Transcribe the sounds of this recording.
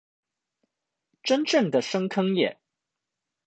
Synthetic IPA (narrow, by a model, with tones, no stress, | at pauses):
ʈ͡ʂə˥nʈ͡ʂɤ˥˩ŋd̪ə˨ʂɤ˥ŋkʰɤ˥ŋjɛ̰˨˩˦n